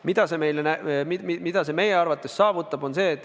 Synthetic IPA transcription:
mid̪̥ɑse̞me̞jlenæmimimid̪̥ɑse̞me̞je̞ɑrvɑt̪ːˑe̞sːɑːvut̪ːˑɑb̥o̞nse̞ːt̪ːˑ

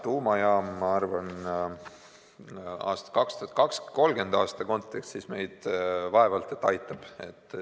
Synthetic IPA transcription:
t̪uːmɑjɑːmːɑɑrvɑn | ɑ̰ːst̪ɑ̥kɑkst̪u̥hɑt̪̚kɑksko̞lɡ̥e̞nd̪̥ɑːst̪ɑko̞nt̪ːˑekst̪sisme̞jd̪̥vɑe̞vɑlt̪ˑet̪ːˑɑjt̪ːˑɑb̥e̞t̪ː

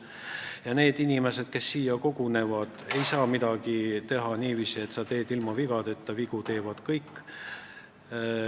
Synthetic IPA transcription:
jɑne̞ːd̪̥inʲime̞se̞d̪̥ke̞sːiːjɑko̞ɡ̥une̞vɑd̪̥e̞jsɑːmid̪̥ɑɡ̥it̪e̞ɦɑniːviːsie̞t̪sɑt̪e̞ːd̪ilmɑviɡ̥ɑd̪e̞t̪ːɑviɡ̥ut̪e̞ːvɑd̪̥kɤjkːˑ

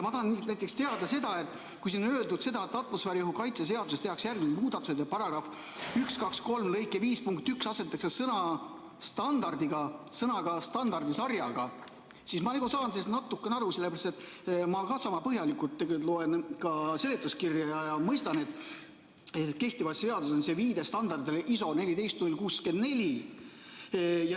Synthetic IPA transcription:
jɑmɑt̪ɑhɑnnæjt̪ːˑekst̪e̞ɑd̪̥ɑse̞d̪̥ɑe̞t̪ːˑ | kujsinøːld̪ud̪̥se̞d̪ɑet̪ːɑt̪ːˑmosfæːɾjuɦukɑjt̪ses̬e̞ɑd̪usest̪e̞hɑksjærɡmnilmuːd̪ɑt̪ːˑu̥sejd̪epɑɾɑɡ̥rɑf | ykskɑksko̞lmlɤjkːˑeviːspuŋkt̪yksɑse̞t̪ːˑɑksesɤnɑ | st̪ɑnd̪̥ɑrd̪iɡɑsɤnɑɡ̥ɑst̪ɑnd̪ɑrd̪isɑrjɑɡ̥ɑ | sismɑniɡusɑːnsesnɑt̪ːˑukːˑeneɑɾuse̞lːe̥eɾɑst̪et̪ːˑmɑkɑsɑmɑpɤɦjɑlikult̪ːeɡet̪lo̞e̞nkɑse̞let̪ːˑuskirjɑjɑjɑmɤjst̪ɑne̞t̪ːˑ | et̪ke̞ht̪ivɑse̞ɑd̪us̬ense̞viːd̪e̞st̪ɑnd̪ɑrd̪elʔiso̞ne̞lid̪e̞jst̪nulʲkuːske̞nd̪ne̞lʲi | j

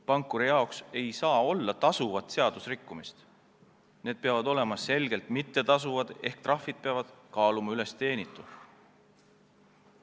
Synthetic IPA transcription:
pɑŋkːˑuɾijɑokse̞jsɑːo̞lːɑt̪ɑsuvɑt̪se̞ɑd̪̥usrikːumist̪ | ne̞ːd̪̥̚peɑvɑd̪o̞le̞mɑse̞lɡ̥e̞lt̪mit̪ːe̞t̪ɑs̬uvɑd̪̥e̞hkt̪rɑfːid̪̥̚peɑvɑd̪̥kɑːlumɑyle̞st̪e̞ːnit̪ːˑu

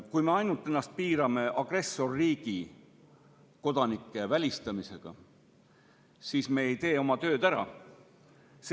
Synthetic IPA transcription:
kujme̞ɑjnult̪ˑːe̞nːˑɑst̪̚piːɾɑme̞ʔɑɡ̥re̞sːo̞rːiːɡ̥i | ko̞d̪̥ɑnikːˑe̞vælʲist̪ɑmise̞̰ɡ̥ɑ̰ | siːsme̞ːejt̪e̞ːo̞mɑt̪ø̞ːd̪æɾɑ̰ | s

